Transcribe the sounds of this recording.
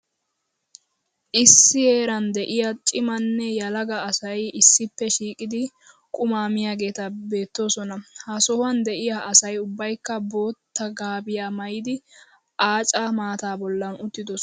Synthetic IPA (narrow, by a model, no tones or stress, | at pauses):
ʔɪsːɪje̞ːɾɐnd̪ɛʔɪjat͡ʃʼɪmɐnːɛjɐlɐɡɐːsɐjɪsːɪpːɛʃiːkʼɪd̪ɪ | kʼʊmaːmɪjaːɡe̞ːt̪ɐbe̞ːt̪ːo̞ːsɔnɐhɐsɔhwɐnd̪ɛʔɪjaʔɐsɐjʊbːɐjkːɐbo̞ːt̪ːɐɡaːbɪjaːmɐjɪd̪ɪ | ʔaːt͡ʃʼɐmaːt̪aːbɔlːɐnʊt̪ːɪd̪ɔs